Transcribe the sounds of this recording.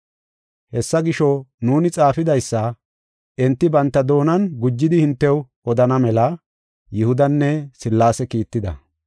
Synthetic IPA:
hɛsːɐɡɪʃɔnuːnɪt͡sʼaːfɪd̪ɐjsːɐ | ʔɛnt̪ːɪbɐnt̪ːɐd̪o̞ːnɐnɡʊd͡ʒːɪd̪ɪhɪnt̪ːɛw | ɔd̪ɐnɐmɛlɐ | jɪhʊd̪ɐnːɛsɪlːaːsɛkiːt̪ːɪd̪ɐ̰

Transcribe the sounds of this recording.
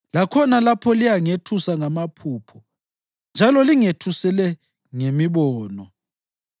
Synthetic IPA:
lakʰɔnalapʰɔlijaŋetʰusaŋamapʰuːpʰɔ | nd͡ʒʱalɔliŋetʰusɛlɛ | ŋemiβɔːnɔ

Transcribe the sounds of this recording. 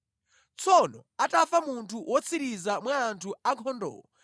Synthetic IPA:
t͡sʰɔnɔatʼafamuntʰuwʔɔt͡sʰiɾizamwaːntʰuaŋkʰɔndɔ̰ːɔ

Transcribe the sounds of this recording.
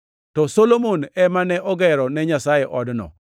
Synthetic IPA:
tɔsolomonɛmanɛʔɔɡɛɾɔnɛɲasajeʔɔdnɔ̰

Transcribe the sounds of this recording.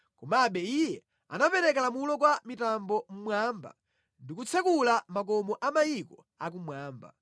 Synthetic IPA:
kɔmaɓɛijɛ | a̰napɛɾɛkalamulɔk̬wamitambɔm̩mwaːmba̰ | ndikut͡sʰakulamak̬ɔmɔʔamajikɔ | ak̬umwaːmba̰

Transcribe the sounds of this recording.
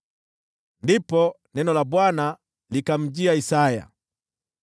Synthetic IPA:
ndipɔ | nɛnɔlaɓwana | likam̩d͡ʒiaisaja̰

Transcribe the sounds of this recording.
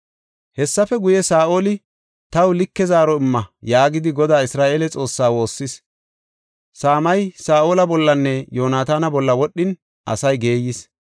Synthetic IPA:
hɛsːɐfɛɡʊjɛsaːʔo̞ːlɪ | t̪ɐwlɪkːɛzaːɾɔɪmːɐjaːɡɪd̪ɪɡɔd̪aːɪsɾaːʔeːlɛt͡sʼo̞ːsːaːwo̞ːsːɪs | saːmɐjsaːʔoːlɐbɔlːɐnːɛjoːnaːt̪aːnɐbɔlːɐwɔɗːɪn | ʔɐ̰sɐjɡe̞ːjɪs

